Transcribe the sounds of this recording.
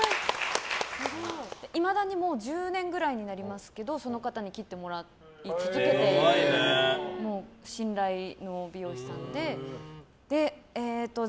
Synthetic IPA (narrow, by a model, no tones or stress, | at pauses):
ai | naɾood̪̥eʔimad̪aɲ̟imo̞ːd͡ʑɨːnẽ̞ŋɡɯ̟ɾaiɲ̟inaɾʲimasɨ̥ke̞d̪o̞so̞no̞kat̪aɲ̟ikʲit̪ːe̞mo̞ɾa | it͡sikik̪et̪e̞ | mo̞ːɕĩnɾaino̞bʲijo̞ːɕi̥sãnd̪e̞ | d̪̥e̞et̪ːo